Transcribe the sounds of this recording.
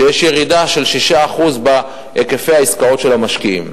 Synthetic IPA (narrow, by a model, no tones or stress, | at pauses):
ejeʃjeʁid̪aʃe̞lʃiʃaːχuzbe | ekefejaiskao̞tʃelamaʃkiḭm